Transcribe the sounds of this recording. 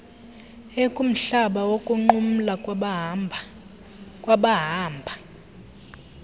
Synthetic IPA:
ekʼum̩ɬaɓawokʼuŋ͡ǃum̩la | kʼwaɓaɦaːmbʱa

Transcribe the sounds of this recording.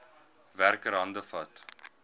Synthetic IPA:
værkəɾɦɐndəfɐt

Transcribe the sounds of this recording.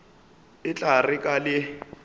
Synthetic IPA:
ɪt͡ɬʼarɪkʼalɪ

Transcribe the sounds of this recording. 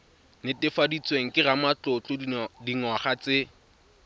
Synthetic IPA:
nɪtɪfadit͡sʼweŋ̩kʼɪramat͡ɬʊt͡ɬʼʊdiŋɔχat͡sɪ

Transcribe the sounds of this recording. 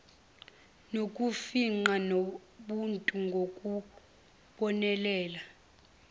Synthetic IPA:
nokʼufiŋ͡ǃanoɓuntʼuŋɡʱokʼu | ɓɔnɛlɛːla

